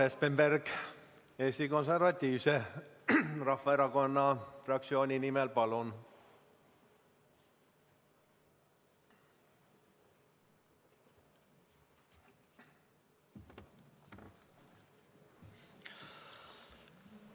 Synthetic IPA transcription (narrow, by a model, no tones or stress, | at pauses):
espemberɡ̥ | eːsʲt̪iko̞ns̬ervɑt̪ʲːiːvse | rɑhvɑeɾɑko̞nːɑfrɑk̚tsio̞ːnʲinimelpɑlun